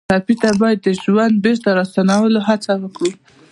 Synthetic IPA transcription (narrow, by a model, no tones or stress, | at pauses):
ɑpit̪abɑjad̪ːəʒwand̪̚beɾt̪aɾɑst̪anawəloɦat͡sawəkɽi